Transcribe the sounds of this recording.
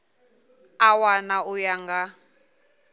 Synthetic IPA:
awanaujaŋɡa

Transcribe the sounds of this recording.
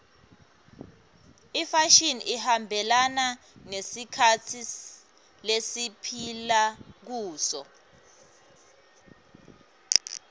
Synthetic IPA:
ifaʃinʔihambʱɛlana | nesikʰatʰi | lesipʰilak̬uːsɔ̰

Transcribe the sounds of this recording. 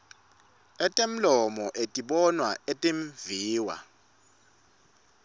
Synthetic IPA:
ɛtʼem̩lɔmɔʔetʼiɓɔnwaetʼeɱviːwa̰

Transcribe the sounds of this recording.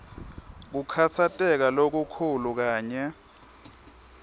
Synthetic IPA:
k̬ukʰat͡sʰatʼɛk̬alok̬ukʰuluk̬aːɲɛ

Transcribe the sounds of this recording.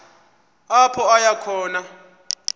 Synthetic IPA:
ɔpʰɔɔjakʰɔːna

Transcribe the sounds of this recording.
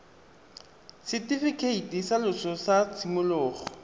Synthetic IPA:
sɪtʼifikʰeitʼisalʊsɔsat͡sʰimʊlʊːχɔ

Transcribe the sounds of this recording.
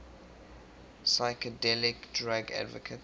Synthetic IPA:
saɪkədɛlɪkdɹaɡa̰dvə̰kʰət

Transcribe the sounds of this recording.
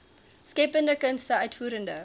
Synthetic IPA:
skepəndəkənstəɐtfuːɾəndə

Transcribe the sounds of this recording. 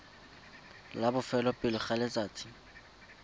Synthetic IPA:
labʊfɛlɔpʼɪlʊχalɪt͡sʼaːt͡sʰɪ̥

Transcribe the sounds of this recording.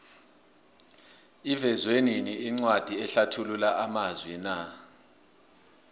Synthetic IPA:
ivɛzweniniːŋ͡ǀwad̥ʱiɛɬatʰululaʔamazwɛna

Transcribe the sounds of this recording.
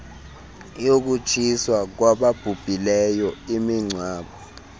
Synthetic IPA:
jok̬ut͡ʃʰiswak̬waɓab̥ʱub̥ʱilɛjɔimiŋ͡ǀʱwaːɓɔ

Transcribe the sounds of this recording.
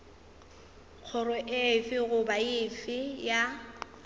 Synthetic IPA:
k͡xʰʊrʊʔɪfɪɣʊbaɪfɪja

